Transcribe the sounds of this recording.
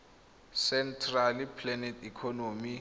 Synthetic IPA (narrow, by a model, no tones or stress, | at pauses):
sɛntʰralipʰlɛnɛtʰikʰɔnomi